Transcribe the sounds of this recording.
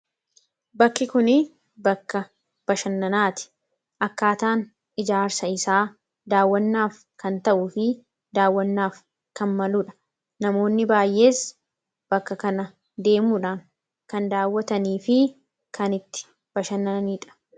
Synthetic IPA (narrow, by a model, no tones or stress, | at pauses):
bɐkːɪkʊnɪ | bɐkːɐ | b̥ɐʃɐnːɐnaːt̪ɪ̥ | ʔɐkːaːt̪aːn | ɪd͡ʒaːɾsɐɪsaː | d̪aːwːɐnːaːf | kɐnt̪ɐʔʊːfɪ | d̪aːwːɐnːaːf | kɐnmɐluːᶑɐ̥ | nɐmo̞ːnːɪbaːjʔe̞ːs | b̥ɐkːɐkɐnɐ | d̪e̞ːmuːᶑaːŋ | kɐnd̪aːwːɐt̪ɐniːfɪ | kʰɐnɪt̪ːɪ̥ | b̥ɐʃɐnːɐniːᶑɐ̥